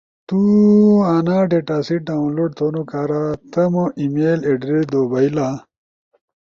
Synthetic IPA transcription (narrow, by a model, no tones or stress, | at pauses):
t̪uaːnaɖeʈaːsiɖaːũnloɖ̚t̪ʰonukaːɾat̪ʰɐmoʔimeːleɖɾid̪oːbɐila